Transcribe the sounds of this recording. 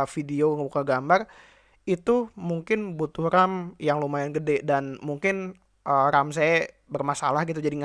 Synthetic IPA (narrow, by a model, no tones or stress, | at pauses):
fideoŋəbukaɡambar | it̪umuŋkɪnbut̪ʊhramjaŋlomaɪnɡədɛdanmuŋkɪn | ʔərams̬aja | bərmasalahɡit̪ud͡ʒadiŋ